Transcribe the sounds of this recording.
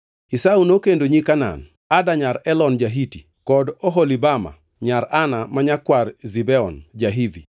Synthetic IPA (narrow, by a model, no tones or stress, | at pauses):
isaunokendoɲikana̰n | adaɲaɾɛlɔnd͡ʒaɦiti | kɔdɔɦɔlibama̰ | ɲaɾanamaɲakwarzibɛɔnd͡ʒaɦidi